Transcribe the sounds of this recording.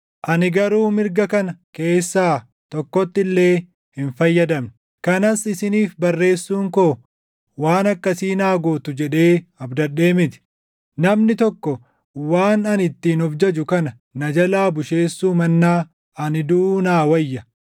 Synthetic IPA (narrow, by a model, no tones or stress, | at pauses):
ʔɐnɪɡɐɾuːmɪɾɡɐkɐnɐke̞ːsːaː | t̪ɔkːɔt̪ːɪlːe̞ː | hɪnfɐjːɐd̪ɐmnɪ | kɐnɐsɪsɪniːfbɐrːe̞ːsːuːŋko | waːnɐkːɐsiːnaːɡoːt̪ʊd͡ʒɛᶑe̞ːɐbd̪ɐɗeːmɪt̪ɪ̥ | nɐmnɪt̪ɔkːɔ | waːnɐnɪt̪ːiːnɔfd͡ʒɐd͡ʒʊkɐnɐ | nɐd͡ʒɐlaːbʊʃe̞ːsːuːmɐnːaː | ɐnɪd̪ʊuːnaːwɐjːɐ